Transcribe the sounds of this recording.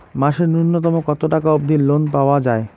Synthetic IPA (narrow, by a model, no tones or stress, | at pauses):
maʃeɾnunːot̪̬ɔmokɔt̪oʈakaob̚d̪ʱinlonpaoad͡ʑae